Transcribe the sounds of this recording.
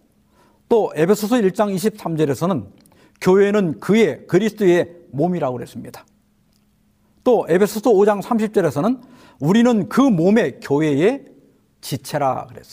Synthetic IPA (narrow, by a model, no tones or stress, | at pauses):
t͈oʔe̞pʰe̞sʰʌsʰʌiɭt͡ɕ͈aŋiɕ̬ʰip̚s͈amd͡ʑʌɾe̞sʰʌnɯn | kjoɦe̞nɯnkɯje̞kɯɾisʰɯ̥t͈oe̞ | momiɾaɡoɦes͈ɯmɲid̥ḁ | t͈oʔe̞bʰe̞sʰʌsʰoːd͡ʑaŋsʰamɕʰip̚t͡ɕ͈ʌɾe̞sʰʌnɯn | uɾinɯnkɯmome̞kjoɦe̞e | t͡ɕit͡ɕʰe̞ɾa̰kɯɾes͈ʌ